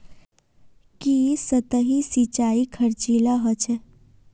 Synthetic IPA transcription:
kisət̪əɦisit͡ʃaːikʰəɾt͡ʃilaɦət͡ʃʰe

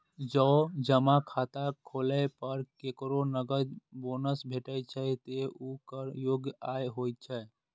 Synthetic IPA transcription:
d͡ʒɔːd͡ʒəmakʰaːt̪akʰoːləpəɾkekɾonəɡəd͡ʒboːnəsbʱeʈəjt͡ʃʰət̪eukəɾjoːɡjaːjɦojt̪̚t͡ʃʰɛ

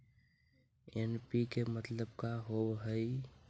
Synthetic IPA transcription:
enpikemət̪ləb̚kaɦobɦəɪ

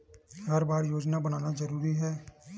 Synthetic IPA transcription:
ɡəɾbaːɾjoːd͡ʒnabəñaːnazəɾuːɾiɦɛː

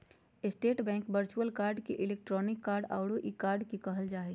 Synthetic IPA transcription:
ɪsʈeːʈbɛ̃ːŋkbəɾt͡ʃuəlkaːɾɖkeʔɪleːk̚ʈɾɔːnɪkːaːɾɖa̰ːɽoʔikaːɾɖkikɐɦəld͡ʒaːi

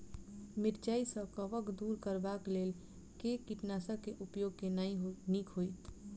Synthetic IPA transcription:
mɪɾd͡ʒaːisə̃kəʋəkd̪uːɾkəɾbakleːl | kekiʈnaːsəkeʔʊpjoːɡ̚kenaĩɦonikʰɦoit̪

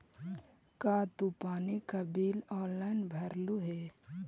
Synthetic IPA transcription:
kaːt̪upaːnikabiːlɔːlanbʱɐɾluɦeː

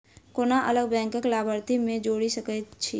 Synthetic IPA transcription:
koːnaʔələɡ̚bɛ̃ːŋkəklaːbəɾt̪imẽd͡ʒoːɽisəkət͡ʃʰḭ

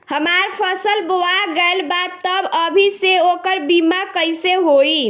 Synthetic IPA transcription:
həmaɾpʰəsəlboaɡəlbad̪̚əbəbʱiseokəɾbimakəjseɦoi

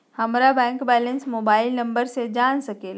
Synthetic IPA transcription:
hɐmɾabɛ̃ːŋkbɛːlə̃nsmoːbaːɪlnɐ̃mbəɾsed͡ʒaːnsɐkeː

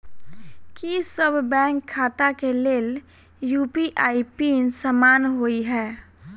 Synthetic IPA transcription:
kisəbʱbɛ̃ːŋkʰːaːt̪akeleːl | juːpiʔaːipinsamaːnɦoiɦɛː

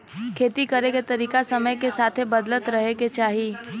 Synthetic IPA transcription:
kʰeːt̪ikɐɾeket̪ɐɾiːkasɐməjkesaːt̪ʰebɐd̪lət̪ɾɐɦeket͡ʃaːɦi

